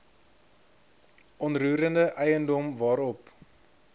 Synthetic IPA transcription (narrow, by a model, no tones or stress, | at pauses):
ʔɔnruːɾəndəʔɛjəndɔmvɑːɾɔp